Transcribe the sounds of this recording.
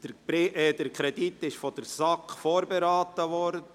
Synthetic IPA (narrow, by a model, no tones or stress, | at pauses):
d̥bɪʔd̥əɾkʰɾɛdit̪ːɪʃfɔdəɾsɑkfoːɾbeɾɑːtːəvɔɾdə